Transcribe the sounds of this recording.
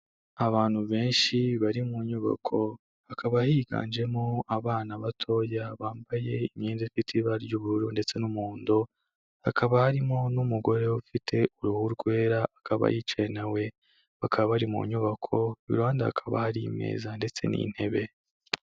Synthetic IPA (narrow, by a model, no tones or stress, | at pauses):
aβaːn̥huβe̞ːnʃiβaɾimuɲuβa̰kʰo̞ | hakʰaβahiːɡa̰ːnd͡ʒe̞moaβaːnaβatʰo̞jaβaːmbaje̞imɲeːnzifitʰiβaɾjɟuːβuɾuɾunde̞t͡se̞numuːndo | hakʰaβahaɾimo̞numuɡo̞ɾe̞ufitʰe̞ʔuɾuhuɾɡwe̞ːɾaakaβa̰jit͡ʃenawe̞ | βakʰaβaβaɾimṵɲuβakʰo̞βḭɾaːndaha̰kʰaβa̰haɾime̞̰ːzande̞t͡se̞̰nḭn̥he̞βe̞